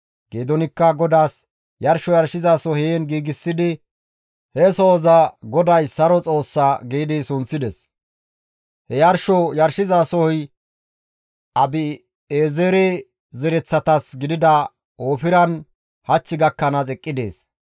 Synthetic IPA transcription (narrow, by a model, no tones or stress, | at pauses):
ɡ̥eːd̪ɔnɪkːɐɡɔd̪aːs | jɐɾʃɔjɐɾʃɪzasɔɦeːnɡiːɡɪsːɪd̪ɪ | hɛsoːzɐɡɔd̪ɐjsɐɾɔt͡sʼo̞ːsːaːɡeːd̪ɪsʊnt͡sːɪd̪ɛs | hɛjɐɾʃɔjɐɾʃɪzasɔhɔj | ɐbɪ | eːzeɾɛ | zɛɾɛt͡sːɐt̪ɐsɡɪd̪ɪd̪ɐ | oːfɪɾɐn | hɐt͡ʃːɪɡɐkːɐnɐt͡sʼɛkʼːɪd̪e̞̰ːs